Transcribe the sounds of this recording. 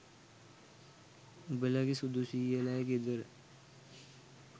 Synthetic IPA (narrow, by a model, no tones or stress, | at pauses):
bəlakisud̪usielaeked̪əɾ